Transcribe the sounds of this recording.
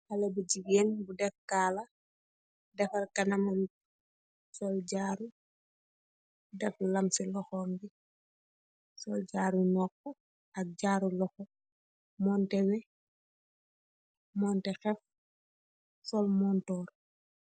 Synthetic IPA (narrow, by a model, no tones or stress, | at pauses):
ɐlɛbuɟiɡɛnbudɛfkaːlɐ | dɛfɐrkɐnɐmɐn | sɔlɟaːɾu | dɛflɐmsilɔxɔːnbi | sɔlɟaːɾunɔːkːɔ | ɐk̚ɟaːɾulɔxɔ | mɔːntɛwɛ | mɔːntɛxɛf | sɔlmɔːntɔːr